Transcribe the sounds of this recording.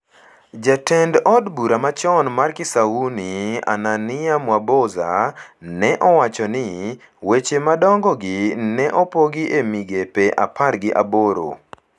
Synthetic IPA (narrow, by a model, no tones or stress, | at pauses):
d͡ʒatɛndɔdbuɾamat͡ʃɔnmarkɪsaunia̰nanɪamwaboza̰nɛʔɔwat͡ʃɔnɪ | wet͡ʃemadɔŋɡɔɡɪnɛʔɔpɔɡɪʔemiɡepeʔa̰pʰarɡɪʔaboɾo̰